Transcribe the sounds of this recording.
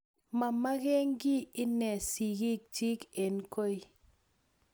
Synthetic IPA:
ma˨ma˦ɣɛ˦ŋɡi˦ɪ˦nɛ˨si˨ɡi˦k̚t͡ʃi˦ke˨nko˦j

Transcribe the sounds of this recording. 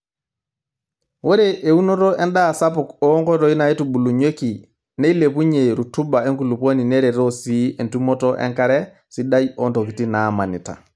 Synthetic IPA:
wo˦ɾeʔe˨u˦no˦to˦ʔɛ˦nda˦˨sa˦p̬ʊkɔ˦ŋkɔ˦ɾo˦i˦na˨e˦tu˨bu˨lu˨ɲe˦ki˨ | ne˦i˦le˨p̬u˦ɲe˨ɾu˨tu˦ba˨e˦ŋku˨lu˨po˦ni˨neɾe˨ɾo˦si˦e˨ntu˦mo˦to˦ʔɛ̰˦ŋka˦ɾɛ˦ | si˦da˦jɔ˦nto˨ki˨ti˦nama˨nḭ˨ta̰˨

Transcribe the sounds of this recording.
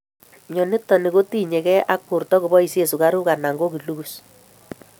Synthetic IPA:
ɲɔ˨nɪ˦tɔ˨ni˨ko˦ti˦ɲɛ˨kɛ˦ʔa˦kːu˨rtɔ˦ku˨bɔ˦i˨se˦˨su˨ka˦ɾu˦ka˨na˨ŋɡo˦ki˨lu˦ku˨s

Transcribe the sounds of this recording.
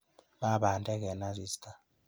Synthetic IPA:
ma˦ɓa˨ntʼɛ˦k̬ɛ˨na˦zi˦˨stʰʼa˨

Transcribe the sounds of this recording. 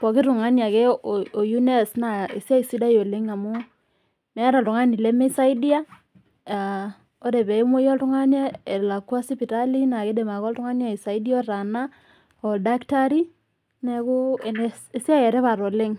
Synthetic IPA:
pɔ˨ki˦ɾu˨ŋa˦nja˨kɛ˦o˨ju˦ne˦sna˨ḛ˨sa˦i˨si˦da˦jo˨le˦ŋa˨mu˦ | mɛ˨a˦ɾa˨ltu˨ŋa˦ni˨le˦me˦sa˦i˦di˦a˦ | a˨ | o˦ɾe˨bɛ˨i˦mo˦jɔ˦ltu˦ŋa˦nja˦e˨la˨ka˦si˦pi˨ta˦li˦na˨ke˦de˨ma˨kɔ˦ltu˦ŋa˦nja˦i˨sa˨i˦di˦ɔ˦ɾa˨na˦ | ɔ˨lda˦kta˦ɾi˦ | nɛ˨ku˦e˨nee˨˦sja˦jɛ˨ɾe˦βa˨ɾo˨le˦ŋ

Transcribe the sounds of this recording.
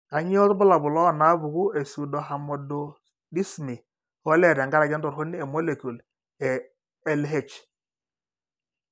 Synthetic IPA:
ka˨ɲi˦ɔ˦tbʊ˦la˨bʊ˨lɔ˦˨na˦bu˨ɡu˦e˨su˨dɔ˨ɦa˨mɔ˨do˨ | di˦smi˨ | ho˦lɛ˦˨ɾa˨ŋɡa˦ɾa˨d͡ʒɛ˦n˦tɔ˨ɾɦo˦nːi˦e˨mo˦le˨ku˨l | ɛ˨ | ɛ˦lɦe˦t͡ʃ

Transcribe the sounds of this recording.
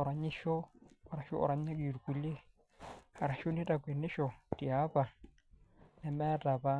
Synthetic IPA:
ɔ˨ɾa˨ɲɪ˦ʃɔ˦˨ɾa˨ʃɔ̰˦ʔɔ̰˨ɾa˨ɲ˦a˦ki˨ɾu˨ku˨le˦ | ha˨ɾa˨ʃo˦ni˦tʼa˨kwe˨nɪ˦ʃɔ˨ti˨a˦pa˨ | nɛ˨mɛ˦tʼa˨pa˦

